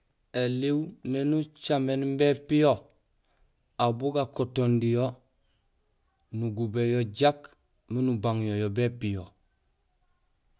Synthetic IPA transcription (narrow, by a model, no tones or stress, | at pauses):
eliwnenut͡ʃamenmbepijo | abuɡakotondijo | nuɡubejoɟak | minubaŋjojobepijo